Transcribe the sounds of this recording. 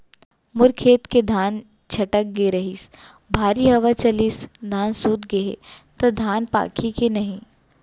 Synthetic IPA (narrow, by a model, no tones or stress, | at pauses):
mʊɾkʰeːt̪ked̪ʱaːn | t͡ʃʰɐʈək̚ɡeɾɐɦis | bʱaːɾiɦɐʋat͡ʃɐlisd̪ʱaːnsuːt̪ɡeḛt̪od̪ʱaːnpa̰ːkʰikenɐɦĩ